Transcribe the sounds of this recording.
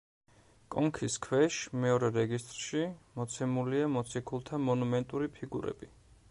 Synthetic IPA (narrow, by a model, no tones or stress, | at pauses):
kʼɔŋkʰiskʰwɛʃmɛɔɾɛɾɛɡist̪ʼɾʃimɔt̪sʰɛmuliamɔt̪sʰikʰulˠt̪ʰamɔnumɛnt̪ʼuɾipʰiɡṵɾɛ̰bi